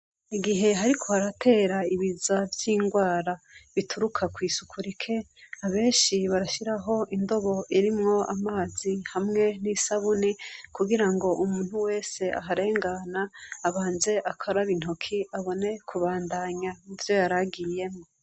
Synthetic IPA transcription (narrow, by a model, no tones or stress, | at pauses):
iɡiɦe̞ɦaɾikʰo̞aɾatʰe̞ːɾaiβizavjiːŋɡwaːɾaβituɾukʰakwiːsukʰuɾikʰe̞aβe̞ːnʃiβaɾaʃiɾaɦo̞ʔindo̞βo̞ʔiɾimŋo̞a̰maːzihamŋe̞nisaβunikuɡiɾaŋɡo̞ʔumuːn̥huwe̞ːse̞ʔa̰ɦaɾe̞ːŋɡanaːβaːnze̞ʔakʰaɾaβin̥hokʰiaβo̞ne̞kʰuβaːndaɲauvjo̞jaɾaɡije̞mŋo